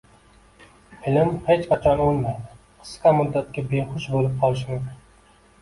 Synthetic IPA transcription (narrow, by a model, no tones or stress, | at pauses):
ɪlɪmhet͡ʃqʰɑt͡ʃʰɒnolˠmajd̪ɪ | qʰɨ̥sqɑmʊd̪ːat̪̚kʲabeχʊʃbolɪp̚qʰɒlˠɪʃ̬mʊkʲn